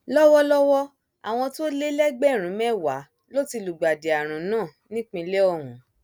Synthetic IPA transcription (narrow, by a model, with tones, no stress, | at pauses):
lɔ˦wɔ˦lɔ˦wɔ˦ | a˨w̃ɔ̃˧to˦le˦lɛ˦ɡ͡bɛ˦˨ɾ̃ũ˨˦mɛ˦˨wa˨˦ | lo˦ti˧lu˨ɡ͡ba˨de˨a˨ɾ̃ũ˨nãː˦˨nĩ˦k͡pĩ˧˦le˦ɔ˦˨wũ˨˦